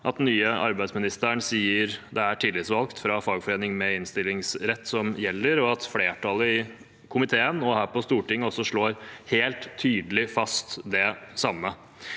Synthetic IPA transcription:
ʔɑt̪nyːəʔɑ̰ɾbæɪd̪smɪnɪst̪əəɳsiːəɾd̪ɛæʈʰiːlɪt̪sʋɑlkt̪fɾɑfɑːɡfɔɾeːnɪŋmɛɪnst̪ɪlːɪŋsɾɛt̪ːsɔmjɛlːəɾɔɑt̪fleːʈʰɑləɪ | kʰʊmɪt̪ʰeːənɔhæːɾpɔst̪uːʈɪŋːɔsːɔʂɭoːɾheːlt̪ʰːyːd̪əlɪfɑst̪d̪ɛsɑmːə

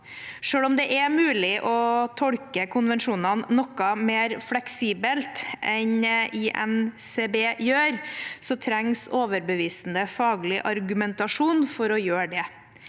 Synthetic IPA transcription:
ʂøːɭɔmd̪ɛʔɛmʉːlɪʔɔt̪ʰɔɽkəkʰʊnʋɛnʂuːnɑnːɔkɑmeːɾflɛksiːbəlt̪ʔɛniʔɛ̰mseːbeːjøːɾsɔt̪ʰɾɛŋsoːʋəɾbəʋiːsn̩əfɑːɡlɪʔɑɾɡʉmɛnt̪ɑʂuːnfɔɾɔjøːɖɛ

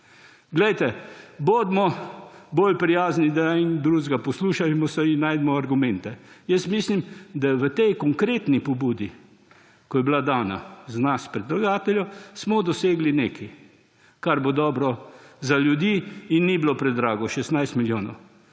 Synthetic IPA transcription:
ɡlɛjt̪ɛboːd̪mɔboːlpɾijaːznid̪aind̪ɾuzɡapɔsluːʃamɔsɛinːajd̪mɔaɾɡumɛnt̪ɛjəst̪mislimd̪aʋət̪ɛjkɔŋkɾet̪nipɔbuːd̪i | kɔjɛblad̪aːna̰zanaspɾɛd̪laɡaːt̪ɛljɔsmɔd̪ɔseːɡlineːkʰɛj | kaɾbod̪ɔːbɾɔzaljud̪iːinːibilopɾɛd̪ɾaːɡɔʃɛst̪najst̪miljoːnɔ̰w

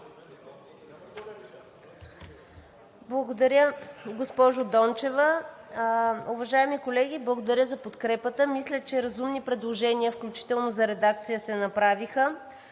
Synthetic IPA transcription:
blˠɐɡod̪ɐɾʲəɡospɔʒʊd̪ɔnt͡ʃɛvə | uvɐʒaɛmikolɛɡ̟iblˠɐɡod̪ɐɾʲjəzɐpot̪kɾɛpət̪əmislʲət͡ʃɛɾɐzumnipɾɛd̪lˠoʒɛniəfklʲut͡ʃi̥t̪ɛlˠnozɐɾɛd̪ak̚t̪sijəsɛnɐpɾavixə

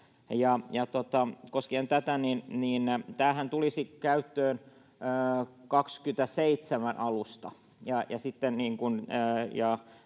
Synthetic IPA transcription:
jɑjɑt̪ot̪ɑkoskient̪æt̪æninniːnt̪æːhænt̪ulisikæyt̪ːøːn | øːkɑkskyt̪æseit̪semænʔɑlust̪ɑ | jɑjɑsit̪ːenniːŋkunːjɑ

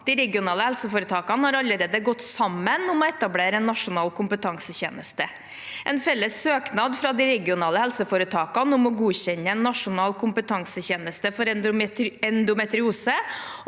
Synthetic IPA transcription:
d̪iɾɛɡɪʊnɑːləhɛlsəfoːɾət̪ʰɑːkɑnəhɑɾɑlːəɾeːd̪əɡɔt̪ːsɑmːənʊmɔɛt̪ɑbleːɾəɛnːɑʂʊnɑːlkʰʊmpət̪ʰɑŋsəçḛːnəst̪ə | ʔɛnfɛlːəsːøːknɑːd̪fɾɑd̪ɪɾɛɡɪʊnɑːləhɛlsəfoːɾət̪ʰɑːkɑnəʊmɔɡuːçɛnːəɛnːɑʂʊnɑːlkʰʊmpət̪ʰɑŋsəçeːnəst̪əfɔɾɛɛnd̪ʊmɛt̪ɾɪuːsə

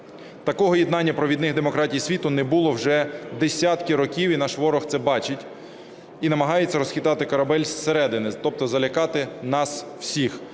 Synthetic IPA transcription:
t̪ɐkɔɦɔjid̪nɑnʲːɐpɾɔʋʲid̪nɪɣd̪emɔkɾɑtʲijsʲʋʲit̪ʊnɛbulˠɔwʒɛd̪esʲat̪kɪɾɔkʲiwinɑʃʋɔɾɔxt̪sɛbɑt͡ʃɪtʲ | inɐmɐɦɑjet͡sʲːɐɾɔsxʲɪt̪ɑt̪ɪkɐɾɐbɛlʲsseɾɛd̪ɪnɪt̪ɔp̚t̪ɔzɐlʲɐkɑt̪ɪnɑsw̥sʲix

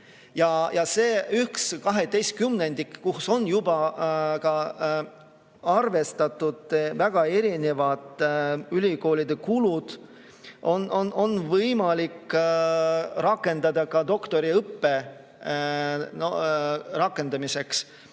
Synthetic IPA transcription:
jɑjɑse̞ːyhkskɑɦe̞t̪ːe̞jst̪̚kymnend̪̥ikkuhso̞nːjubɑkɑ | ɑrve̞st̪ɑt̪ːˑud̪̥væɡ̥ɑe̞ɾine̞vɑd̪̥ylʲiko̞ːlid̪̥e̞kulud̪̥ | ʔo̞nʔo̞nʔo̞nːvɤjmɑlikː | ɾɑkːˑe̞nd̪ɑd̪̥ɑkɑd̪̥o̞kt̪o̞ɾiɤpːe̞ | norɑkːˑe̞nd̪̥ɑmise̞ks

